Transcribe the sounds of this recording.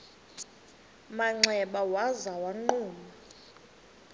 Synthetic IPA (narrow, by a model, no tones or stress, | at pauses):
maŋ͡ǀʱɛɓawazawaŋ͡ǃuːma